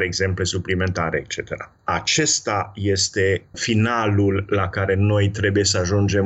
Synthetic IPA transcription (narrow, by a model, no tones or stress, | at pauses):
ɾeɡze̞mple̞suplime̞nt̪aɾeːkt͡ʃe̞t̪e̞ɾa̰ | at͡ʃe̞st̪aje̞st̪e̞finalulːakaɾe̞no̞jt̪ɾe̞buje̞səaʒund͡ʒe̞m